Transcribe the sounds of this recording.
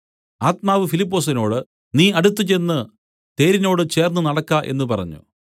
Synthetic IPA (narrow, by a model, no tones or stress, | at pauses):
aːt̪̚maːʋɨfilipːo̞ːs̬ino̞ːɽɨ | niːɐɽut̪ːɨt͡ɕe̞nːɨ | t̪e̞ːɾino̞ːɽɨt͡ɕe̞ːrnːɨnɐɽɐkːaːʔe̞̰nːɨpɐrɐ̰ɲːṵ